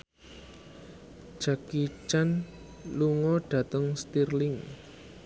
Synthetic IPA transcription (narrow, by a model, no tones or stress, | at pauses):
ʒ̥akit͡ʃan | luŋɔɖ̥ä̤t̪əŋst̪irlɪŋ